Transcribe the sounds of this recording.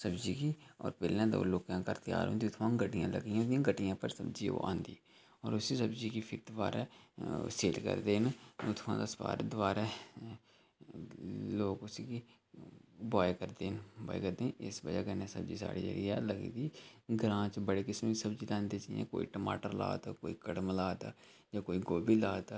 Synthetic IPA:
səbd͡ʒiːkiːɔ̰ːɾpeːlːãːd̪o̰ːloːkãːkəɾt̪ɪja̰ːɾɦõ̰ːnd̪iːʊt̪ʰʋãːɡəʈɪjãːlə̰ɡijãd̪iãːɡəʈɪjãːpəɾsəbd͡ʒio̰ːʔã̰ːnd̪ḭː | ɔːɾʊsiːsəbd͡ʒiːkiːpʰɪɾd̪ʊʋaːɾɛ̰ːseːlkə̰ɾd̪eːnʊt̪ʰʋã̰ːd̪aspa̰ːɾd̪ʊʋaːɾɛː | loːkʊsiki | bɔːekəɾd̪eːnbɔ̰ːḛkəɾd̪ẽːʔɪsbəd͡ʒaːkəneːsə̰bd͡ʒiːsa̰ːɽḭːd͡ʒə̰ɡiɛ̰ːləɡḭːd̪iːɡəɾãːt͡ʃbəɽeːkɪsmisəbd͡ʒiːlãːnd̪eːt͡ʃaiḛ̃ːko̰ːḭːʈəma̰ːʈəɾla̰ːd̪aːkoːiːkəɽmlaːd̪aː | d͡ʒaːkoːiːɡoːbiːlaːd̪aː

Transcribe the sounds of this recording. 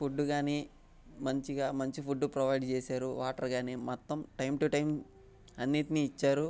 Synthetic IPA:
pʰuɖːuɡaːneː | mɐɲt͡ʃiɡaːmɐɲt͡ʃipʰuɖːupɾɐʋɐjɖt͡ʃeːsaːɾuʋaːʈɐɾɡaːneːmɔt̪ːɐmʈɐjmʈuʈɐjm | ɐnːiːt̪iniːt͡ʃːaːɾu

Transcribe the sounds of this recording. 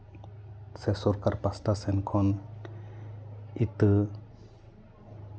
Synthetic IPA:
sɛsɔɾkaɾpastasɛnkʰɔn | it̪ɯ

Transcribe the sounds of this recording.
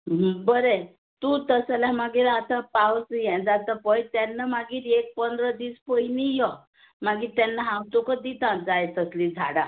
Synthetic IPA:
bəɾe | t̪ut̪əsalamaɡiːɾat̪apawsjɛ̃d͡zat̪əpəjt̪janːəmaɡiːɾek̚pənd̪ɾəd̪iːspəjnijɔ | maɡiːɾt̪anːəɦãwt̪okəd̪it̪ãnt͡sajet̪əslid͡zʱaɽa

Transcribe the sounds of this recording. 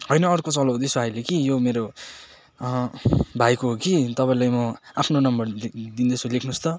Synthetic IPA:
ɦojnʌːrkot͡sʌlod̪isʰuajlekijomeɾo | bʱajkoɦokit̪ʌpãĩlajmʌapʰnonʌmbʌrd̪ind̪ʌsʰulekʰnust̪ʌ

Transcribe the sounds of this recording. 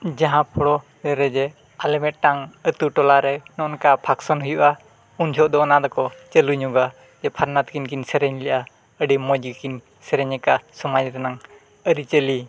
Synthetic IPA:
d͡ʒaɦãpʰɔɽɔ | ɾɛɾɛd͡ʒɛ | alɛmɛt̪̚ʈaŋət̪uʈɔlaɾɛnɔɔnkapʰaksɔnɦujuʔa | und͡ʒʰʱɔʔd̪ɔɔnad̪ɔkɔt͡ʃəluɲuɡa | d͡ʒɛpʰaɾnat̪̚kinkinsɛɾɛɲlɛʔa | əɖimɔd͡ʒɡikin | sɛɾɛɲɛkasɔmad͡ʒɾɛnaŋ | əɾit͡ʃəli

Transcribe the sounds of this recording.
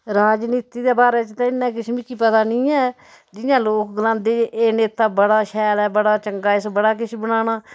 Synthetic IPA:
ɾaːd͡ʒniːt̪iːd̪eːbaːɾɛːt͡ʃt̪ãːɪnːɛ̃ːkɪʃʰmiːkipət̪aːnĩːɛː | d͡ʒɪjãːloːkɡəlãːnd̪eːd͡ʒʔeːneːt̪aːbəɽaːʃɛːlɛːbəɽaːt͡ʃəŋɡaːɪsbəɽaːk̬ɪʃʰbəɽ̃aːɽaː

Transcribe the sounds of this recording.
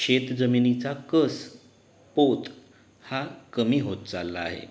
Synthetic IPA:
ɕet̪d͡zəminit͡sakəs | pot̪ | hakəmiːɦot̪̚t͡salːaːɦḛ

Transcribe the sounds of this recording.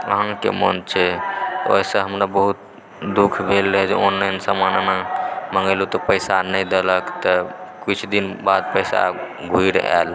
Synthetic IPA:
ə̰ɦãkḛmənt͡ʃʰɛo̰isə̃ɦəmɾabəɦut̪̚ | d̪ukʰbʱelːəɦɛd͡ʒeonːəjnsəmannaməŋɡəlut̪ɔpəjsanəjd̪eləkt̪ɔkit͡ʃʰd̪inbad̪̚pəjsa̰ | ɡʱuiɾɛ̰l

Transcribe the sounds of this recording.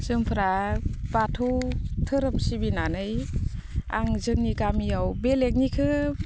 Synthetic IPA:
sɯŋpʰɾabatʰɯwtʰɯɾɯmsibinanɯj | a̰ŋzɯŋniɡamijawbelek̬̚nikʰɯ

